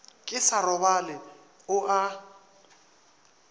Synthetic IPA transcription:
kʼɪsarɔbalɛ | ʊʔa

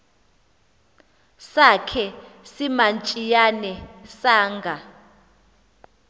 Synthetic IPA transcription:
sakʰɛsimant͡ʃʼijanɛsaːŋɡʱa

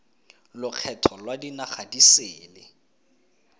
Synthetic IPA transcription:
lʊk͡xʰɛtʰɔlwadinaχadiseːlɪ

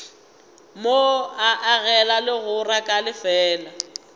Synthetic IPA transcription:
moaʔaɣɛlalɪɣʊrakʼalɪfɛːla

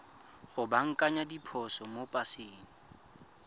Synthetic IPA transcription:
ɣʊbaŋ̩kʼaɲadipʰɔsɔmopʼasɪːŋ̩

